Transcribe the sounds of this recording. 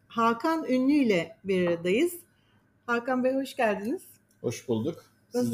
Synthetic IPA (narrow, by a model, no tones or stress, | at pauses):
hakʰanynlʲyjlʲɛbiɾaɾad̪ajɯz̥ | haːkanbɛho̞ʃcælʲd̪iniz̥ | ho̞̰ʃbulˠd̪uk | siz